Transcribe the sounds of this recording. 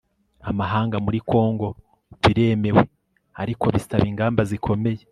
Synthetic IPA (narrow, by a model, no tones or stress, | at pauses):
amaɦaːŋɡamuɾiko̞ːŋɡo | βiɾe̞ːme̞we̞ | a̰ɾikʰo̞βisaβiːŋɡaːmbazikʰo̞me̞je